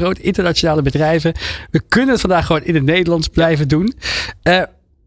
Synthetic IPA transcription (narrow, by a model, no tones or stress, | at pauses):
rowtəʔɪntəɹnat͡ʃonaːləbədrɛjvəʋəkɵnənətfɑndaːχəʋonɪndənejdəlɑnzblɛjvədunə